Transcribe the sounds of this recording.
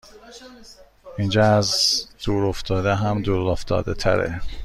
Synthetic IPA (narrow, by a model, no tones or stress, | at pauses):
ind͡ʒɒːæzd̪̥uːɾoft̪ɒːd̪eɦæmd̪uːɾoft̪ɒ̰ːd̪et̪ʰæ̰ɾḛ